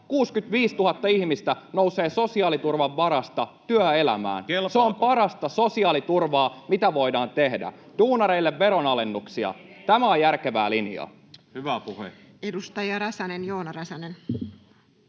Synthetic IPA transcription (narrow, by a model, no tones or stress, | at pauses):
kuːskyt̪ʋiːst̪uhɑt̪ːɑiçmist̪æno̞wse̞ːso̞siɑːlit̪urʋɑʋːɑɾɑst̪ɑt̪yœe̞læ̰mæ̰ːnseompɑɾɑst̪ɑso̞siɑːlit̪urʋɑːmit̪æʋo̞jdɑːnt̪e̞hdæ̰d̥uːnɑɾe̞ilːeʋːe̞ɾo̞nɑle̞nːuksiɑ̰t̪æmæojærke̞ʋæːlinjɑ̰ | hyʋæpuhḛ | edust̪ɑjɑɾɑsɑnenjoːnɑrɑsɑnen